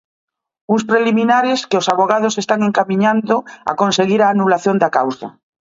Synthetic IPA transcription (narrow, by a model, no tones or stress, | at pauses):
uŋspɾelimĩnaɾeskeosaβoɣ̞að̞osest̪aŋeŋkamĩɲãnd̪oa̰konseɣ̞iɾaːnulaθjond̪akawsa̰